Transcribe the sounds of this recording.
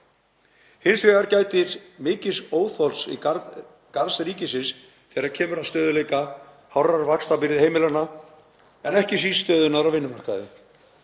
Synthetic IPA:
hɪnsveːɣaɾcaːjt̪ɪɾmɪːcɪsoːwθɔlsḭ | kaɾsɾiːcɪsɪns | θɛɾaɾcʰɛːmʏɾast̪œːðʏleːjka | hawraɾvakst̪apɪɾɪðhejmɪlana | ɛnɛhcɪs̬iːst̪œːðʏnaðɾavɪnːʏmar̥ka̰ðɪ̰

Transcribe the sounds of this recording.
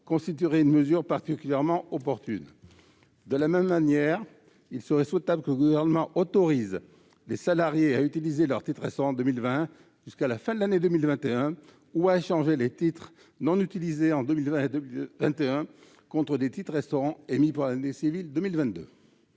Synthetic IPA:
kɔ̃st̪it̪̬yʁɛynməzyʁpaʁt̪ikʲyljɛʁmɑ̃ɔpɔʁt̪yn | d̪əlamɛmːanjɛʁ | ilsəʁɛswet̪abləkələɡuvɛʁnəmɑ̃ʔɔt̪ɔʁiz | lesalaʁjeayt̪ilizelœʁt̪it̪χʁɛst̪ɔʁɑ̃d̪əmilvɛ̃ | ʒyskalafɛ̃d̪əlaned̪əmilvɛ̃t̪eɛ̃ | uaeʃɑ̃ʒelet̪it̪χ | nɔ̃nyt̪ilizeɑ̃d̪əmilvɛ̃ed̪ivɛ̃t̪eɛ̃ | kɔ̃t̪χəd̪et̪it̪χʁɛst̪ɔʁɑ̃emipuʁlanesivild̪əmilvɛ̃t̪̚d̪ø̰

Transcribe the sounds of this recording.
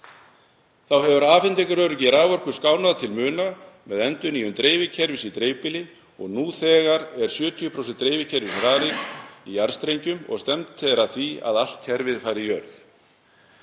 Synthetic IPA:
θawɦɛvʏɾaːfɪnt̪ɛkʏɾœːɾʏcɪɾaːvɔr̥kʏ̥skaːwnaðat̪ʰɪlmʏːnamɛðɛnt̪ʏniːjʏmt̪ɾejvɪcʰɛɾvɪsit̪ɾeːjpɪlɪ | ɔɣnuːθɛːɣaɾɛɾ̥sjʏːt̪ʰijʏpʰɾowsɛnt̪ːɾeːjvɪcʰɛɾvɪsɾaːɾɪɣiaɾ̥st̪ɾejɲcʏmɔ̰ɣst̪ɛmt̪θɛɾaθvia̰ðal̥t̪çɛɾvɪðfaːjɾɪjœɾθ

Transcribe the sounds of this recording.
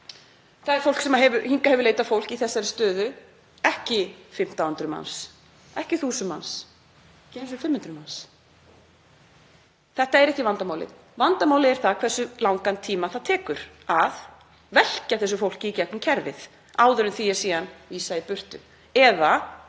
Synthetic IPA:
θaðɛɾ̥fowlksɛmaɦɛvʏɾhiŋkahɛvʏɾlejt̪afowl̥ciθɛsːaɾɪst̪œːðʏ | ɛhcɪfɪm̥t̪awhʏnt̪ɾʏma̰ns | ɛhcɪθuːsʏma̰ns | cɛsʏfɪmhʏnt̪ɾʏmans | θɛht̪aɛɾɛhcɪvant̪amaːwlɪ̰ | vant̪amaːwlɪɛɾ̥θakʰvɛsːʏlawŋkant̪ʰiːmaθaðt̪ʰɛːkʏɾ̥ | að | vɛl̥caθɛsːʏfowl̥cɪicɛk̚nʏmcʰɛɾvɪ̰ð | aːwðʏɾʏnθiɛsiːanviːsaipʏr̥t̪ʏ | ɛða

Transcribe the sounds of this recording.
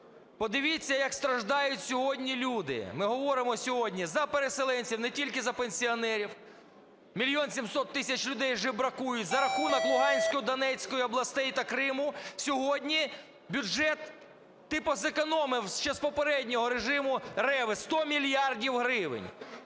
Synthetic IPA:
pɔd̪ɪʋʲit͡sʲːɐjɐkst̪ɾɐʒd̪ɑjʊtʲsʲɔɦɔdʲnʲilʲud̪ɪ̰mɪɦɔʋɔɾɪmɔsʲɔɦɔdʲnʲizɐpeɾeselˠɛnʲt͡sʲiwnɛtʲilʲkɪzɐpenʲsʲiɔnɛɾʲiw | mʲilʲijɔnsʲimsɔt̪ːɪsʲɐt͡ʃlʲʊd̪ɛjʒɪbɾɐkujʊtʲzɐɾɐxunɔklˠʊɦɑnʲsʲkɔjʊd̪ɐnɛt͡sʲkɔjʊɔblˠɐst̪ɛjt̪ɐkɾɪmʊsʲɔɦɔdʲnʲi | bʲʊɛt̪ː | ɪpɔzekɔnɔmɪwʃt͡ʃɛzpɔpeɾɛdʲnʲɔɦɔɾeʒɪmʊrɛʋɪst̪ɔmʲilʲjɑrdʲiwɦɾɪʋɪ̰nʲ

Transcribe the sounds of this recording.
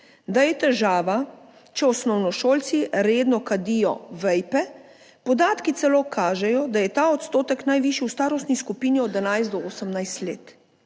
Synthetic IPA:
d̪ajɛt̪ɛʒaːʋa | t͡ʃɛɔsnɔwnɔʃoːlt̪siɾeːd̪nɔkad̪ijɔ̰ʋɛjpɛ | pɔd̪aːt̪kit̪sɛloːkʰaːʒɛjɔd̪ajɛt̪aːɔt̪st̪oːt̪ɛknajʋiːʃiwst̪aːɾɔst̪niskupiːniɔd̪anajzt̪d̪ɔoːsəmnajst̪lḛːt̪

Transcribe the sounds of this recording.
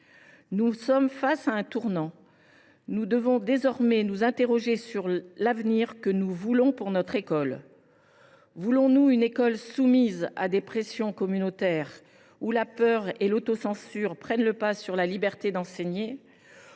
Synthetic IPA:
nusɔmfasaɛ̃t̪uʁnɑ̃ | nud̪əvɔ̃d̪ezɔʁmɛnuzɛ̃t̪eʁɔʒesyʁlavniʁkənuvulɔ̃puʁnɔt̪χekɔl | vulɔ̃nuynekɔlsumiza̰d̪epχesjɔ̃kɔmynot̪ɛʁ | ulapœʁelot̪osɑ̃syʁpχɛnləpasyʁlalibɛʁt̪ed̪ɑ̃sɛɲe

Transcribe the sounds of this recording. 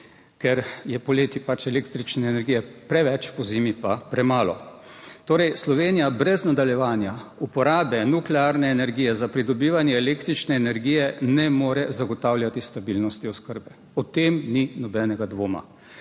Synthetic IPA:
kɛɾjɛpɔleːt̪ipat͡ʃɛleːkt̪ɾit͡ʃnɛːnɛɾɡijɛpɾɛʋɛt͡ʃpɔzeːmipapɾɛmaːlɔ | t̪oːɾɛjslɔʋeːnijabɾɛznad̪aljɛʋaːnjaupɔɾaːbɛnuklɛaɾnɛːnɛɾɡiːjɛzapɾid̪ɔbiːʋanjɛːleːkt̪ɾit͡ʃnɛːnɛɾɡiːjɛnɛmoːɾɛzaɡɔt̪aːwlʲjat̪ist̪abilnɔst̪iɔskəɾbɛ | ɔt̪emninɔbɛːnɛɡad̪ʋoːma̰

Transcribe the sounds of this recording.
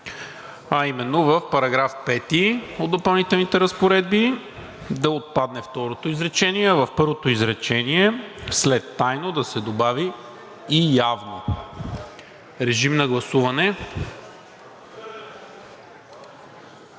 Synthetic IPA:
ɐimɛnːovɐfpɐɾɐɡɾafpɛt̪iod̪d̪opɐlˠnit̪ɛlˠnit̪ɛɾɐspoɾɛd̪̚bi | d̪ɐot̪̚pad̪nɛft̪ɔɾot̪oizɾɛt͡ʃɛniɛvɐfpɤɾvot̪oizɾɛt͡ʃɛniɛslɛt̪ːajnod̪ɐsɛd̪obavi | ijavno | ɾɛʒimnɐɡlˠɐsuvɐnɛ

